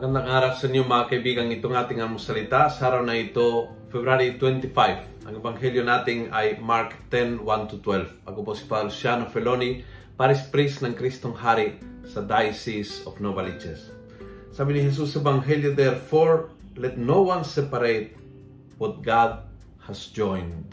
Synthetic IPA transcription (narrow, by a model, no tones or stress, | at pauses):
kɐnd̪aŋaːɾapsɐnjomakɐjbiːkɐŋɪt̪oŋaːt̪ɪŋamosɐlɪt̪asaɾawnɐɪt̪o | fɛbɾaɾit̪wɛnt̪ɪfajv | ʔɐŋɛbaŋɦɛljonaːt̪ɪŋajmaɾkt̪ɛnwant̪ut̪wɛlfʔɐkoposi̥palusjanofɛlonipaɾɪspɾisnɐŋkɾist̪oŋhaɾisɐd̪ajsisofnobalid͡ʒɛsː | aːbinihɛs̬usɛbaŋɦɛljod̪ɛɾfoɹ | lɛt̪nowansɛpɐɾejt̪̚ | wɔt̪̚ɡad̪̚ | hɐsd͡ʒɔjnd̪